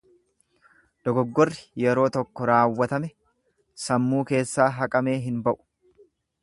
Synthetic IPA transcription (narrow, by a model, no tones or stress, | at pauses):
d̪̥ɔɡɔɡːɔrːɪjɛɾo̞ːt̪ɔkːɔɾaːwːɐt̪ɐmɛ | sɐmːuːke̞ːsːaːɦɐkʼɐme̞ːɦɪnbɐʔʊ̥